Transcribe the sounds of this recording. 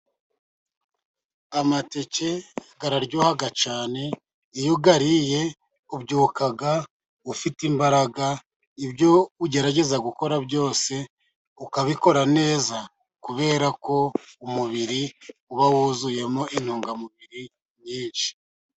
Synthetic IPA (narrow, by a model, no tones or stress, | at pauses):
amate̞ce̞ɡaɾaɾɟuːhaɡat͡ʃaːne̞ | ijuɡaɾije̞ | ubɟuːkaɡa | ufitimbaɾaɡa | ibɟo̞uɟe̞ɾaɟe̞zaɡuko̞ɾabɟo̞ːse̞ | ukaβiko̞ɾane̞ːza | kuβe̞ːɾako̞umuβiɾiuβawuzuje̞mo̞ʔin̥huːŋɡamuβiɾi | ɲiːnʃi̥